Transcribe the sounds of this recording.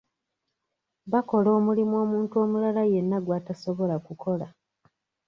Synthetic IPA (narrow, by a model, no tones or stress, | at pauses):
βako̞lo̞ːmulimwo̞ːmuːntuo̞ːmulalaje̞nːaɡwaːtaso̞βo̞lakukʰo̞la